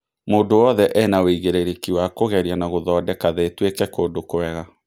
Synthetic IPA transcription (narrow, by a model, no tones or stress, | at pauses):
moːndowɔðɛʔɛnaweiɣeɾeɾekiwakoɣɛɾjanaɣoðɔːdɛkaðetwekɛkoːdokoɾɛɣa